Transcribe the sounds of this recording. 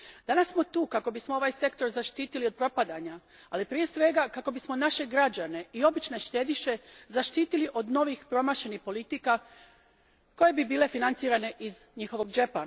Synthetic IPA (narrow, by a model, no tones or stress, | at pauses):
d̪anassmo̞t̪uːkako̞bismoo̞ʋaːjse̞kt̪o̞ɾzaʃt̪iːt̪ilio̞d̪̚pɾo̞pad̪aɲa | alipɾije̞sʋe̞ɡakako̞bismo̞naʃe̞ɡɾad͡ʑane̞io̞bit͡ʃne̞ʃt̪ed̪iʃe̞zaʃt̪iːt̪iliʔo̞d̪no̞ʋixpɾo̞maːʃe̞nixpo̞lit̪ika | ko̞je̞bibiːle̞finant̪siːɾane̞ʔizɲixo̞ʋo̞ɡd͡ʒepana